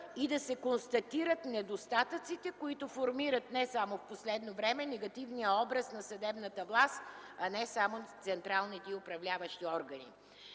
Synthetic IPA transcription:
id̪ɐsɛkonst̪ɐt̪iɾət̪nɛd̪ost̪at̪ət̪sit̪ɛkoit̪ʊfoɾmiɾət̪nɛsamofposlɛd̪novɾɛmɛnɛɡɐt̪ivnijəɔbɾəsnɐsɐd̪ɛbnət̪əvlˠast̪ɐnɛsamot̪sɛnt̪ɾalˠnit̪ɛiʊpɾɐvlʲavəʃt̪iɔɾɡɐnḭ

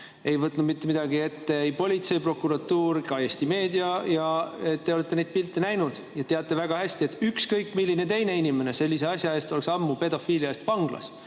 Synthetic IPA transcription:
e̞jvɤt̪ːˑnud̪mit̪ːemid̪̥ɑɡie̞t̪ːe̞ejpo̞lʲit̪se̞jpro̞kːuɾɑt̪ːuːɾikɑjest̪ime̞ːd̪iɑjɑet̪ːe̞o̞le̞t̪ːee̞jd̪̥̚pilt̪ːenæjnud̪̥jɑt̪e̞ɑt̪ːˑe̞væɡ̥ɑhæsʲt̪ie̞t̪ːˑykskɤjkːˑmilʲːine̞t̪e̞jne̞inime̞ne̞se̞lʲːis̬e̞ɑsʲjɑe̞ːst̪o̞leksɑmːupe̞d̪o̞fiːliɑest̪vɑŋɡ̥lɑ̰s

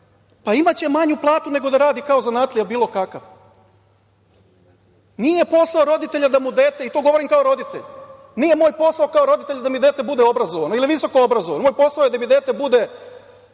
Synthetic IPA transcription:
paimat͡ɕe̞maɲuplˠaːt̪une̞ɡo̞d̪aɾaːd̪ikaozanat̪lijabiːlˠo̞kakaʋ | nijepo̞saoɾo̞d̪it̪e̞ʎad̪amud̪e̞ːt̪eit̪oːɡo̞ʋo̞ɾimkaoɾo̞d̪it̪ḛʎ | nijemo̞ːjpo̞saokao̞ɾo̞d̪it̪e̞ʎad̪amid̪eːt̪ebud̪eo̞bɾazoʋanoiliʋiso̞koobɾazoʋanomojpo̞saojd̪amid̪e̞ːt̪ebud̪e

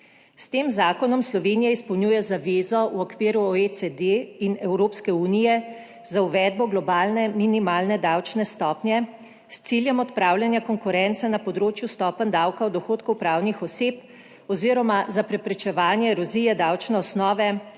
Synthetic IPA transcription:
st̪eːmzaːkɔnɔmslɔʋenijaispɔwnʲjuːjɛzaʋeːzɔwɔkʋiːɾuoesɛd̪einɛwɾoːpskɛuːnijɛ | zauʋɛd̪̚bɔɡlɔbaːlnɛminimaːlnɛd̪awt͡ʃnɛst̪ɔːpnjɛ | st̪siljɛmɔt̪pɾaːwljanjakɔŋkuɾɛnt̪sanapɔd̪ɾoːt͡ʃjust̪ɔːpənd̪awkawd̪ɔxoːt̪kɔwpɾaːwnixɔseːp | ɔziɾɔmazapɾɛpɾɛt͡ʃɛʋaːnjɛɾɔzijɛd̪awt͡ʃnɛɔsnɔːʋɛ

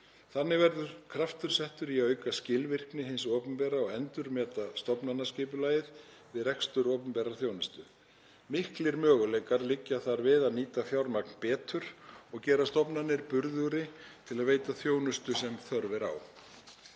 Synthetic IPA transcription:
θanːɪvɛɾðʏɾ̥kʰɾaft̪ʏɾ̥sɛht̪ʏɾiœːɥkascɪlvɪr̥knɪɦɪnsɔːpʏnpɛːɾaɔɣɛnt̪ʏɾmɛːt̪ast̪ɔpnanːascɪːpʏlaːjɪð | vɪðrɛkst̪ʏɾɔːpʏnpɛɾaθjoːwnʏst̪ʏ | mɪhklɪɾmœːɣʏlejkaɾlɪcːaθaɾvɪðaðniːt̪aθjawɾmak̚npɛːt̪ʰʏɾ̥ɔɣcɛːɾast̪ɔpnanːɪɾpʏɾðʏɾɪt̪ʰɪlaðveːjt̪aθjoːwnʏst̪ʏsɛmθœɾvɪɾa̰w

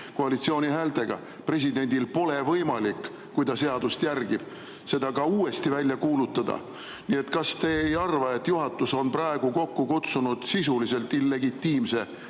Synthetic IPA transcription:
ko̞ɑlit̪sio̞ːnʲiɦæːlt̪e̞ɡ̥ɑ̰ | pre̞s̬ʲid̪e̞nʲd̪̥ilpo̞le̞vɤjmɑlikˑː | ujd̪ɑse̞ɑd̪̥ust̪jærɡ̥ib̥ | se̞d̪ɑkɑuːe̞st̪ivælʲjɑkuːlut̪ːˑɑd̪̥ɑ̰ | nie̞t̪kɑst̪e̞ːjɑrvɑe̞t̪ːˑjuɦɑt̪ːˑuso̞nprɑeɡ̥uko̞kːukut̪sunud̪̥sisulise̞lt̪ːilːe̞ɡit̪ːiːmse̞

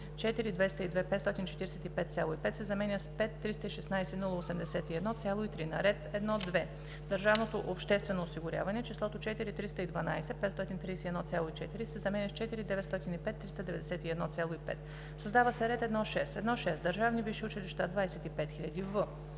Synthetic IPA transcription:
t͡ʃɛt̪iɾid̪vɛst̪əid̪vɛpɛt̪st̪ɔt̪int͡ʃɛt̪iɾɛsɛt̪ipɛt̪t̪sʲalˠoipɛt̪sɛzɐmɛnʲəspɛt̪ːɾist̪əiʃɛsnajsɛnulˠəosɛmd̪ɛsɛt̪iɛd̪nɔt̪sʲjalˠoit̪ɾinɐ̰ɾɛt̪ɛd̪nɔd̪vɛ | d̪ɐɾʒavnot̪oʔopʃt̪ɛst̪vɛnoːsiɡʊɾʲa̰vɐnɛt͡ʃislˠɔt̪ot͡ʃɛt̪iɾit̪ɾist̪əid̪vɐnajsɛpɛt̪st̪ɔt̪int̪ɾijsɛɛd̪nɔt̪sʲjalˠoit͡ʃɛt̪iɾisɛzɐmɛnʲəst͡ʃɛt̪iɾid̪ɛvɛt̪st̪ɔt̪inipɛt̪ːɾist̪ɐd̪ɛvɛd̪ɛsɛt̪iɛd̪nɔt̪sʲalˠoipɛ̰t̪ | sɐzd̪avɐsɛɾɛt̪ɛd̪nɔʃɛsɛd̪nɔʃɛsd̪əɾʒavniviʃiʊt͡ʃiliʃt̪ad̪vajsɛt̪ipɛt̪xilʎʲɐd̪ivə

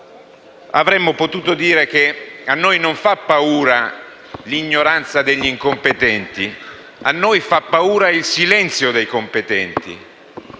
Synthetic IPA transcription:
avɾɛmːʊpot̪uːt̪od̪iːɾekeanːojnoɱfapːauːɾa | liɲːoɾant̪sad̪eʎːiŋkompet̪ɛnt̪i | anːojfapːauːɾailsilɛnt̪sjod̪ejkompet̪ɛnt̪ḭ

